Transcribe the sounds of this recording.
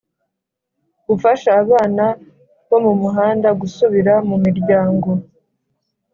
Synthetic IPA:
ɡufaʃaːβaːna | βo̞mumuɦaːndaɡusuβiɾamumiɾɟaːŋɡo̞

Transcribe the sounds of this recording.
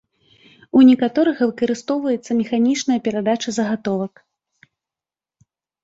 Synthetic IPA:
unʲɛkat̪ɔɾɨɣɐvɨkɐɾɨst̪ɔwvɐjɛt̪sːɐmʲɛxanʲit͡ʂnɐjɐpʲɛɾad̪at͡ʂɐzɐɣat̪ɔvɐk

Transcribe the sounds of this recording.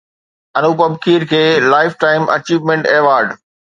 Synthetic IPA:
ɐnuːpɐbkʰiːɾkʰeːlaːɪfʈaːɪmʔɐ̰t͡ɕiːʋmẽɳʈeːʋaːɾɖ

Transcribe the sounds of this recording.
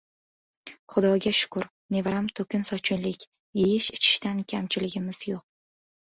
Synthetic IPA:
χʊd̪ɒɡʲaʃʊ̥kʊɾ | ne̞vɾamt̪ʰokʲʰɪnsɒt͡ʃʰɪnlɪkʲ | jejɪʃɪt͡ʃʰɪ̥ʃt̪ankʲʰamt͡ʃʰɪlɪɡʲɪmɪz̥joq̚

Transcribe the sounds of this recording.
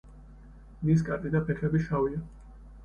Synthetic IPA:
nis̬kʼat̪ʼid̪apʰɛkʰɛbiʃavia

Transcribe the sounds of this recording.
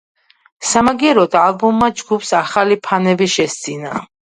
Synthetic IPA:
samaɡiɛɾɔd̪aːlˠbumːad͡ʒɡupsaχalipʰanɛbiʃɛst̪zʼina

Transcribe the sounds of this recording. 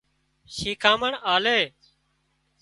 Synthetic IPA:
ʃiːkʰãːməɳaːleː

